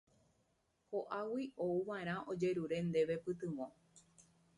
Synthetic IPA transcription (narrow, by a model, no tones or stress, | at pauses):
hoʔawiʔouʋaẽɾ̃ãʔod͡ʒe̞ɾuɾe̞nd̪e̞ʋe̞pɨt̪ɨ̃ʋõ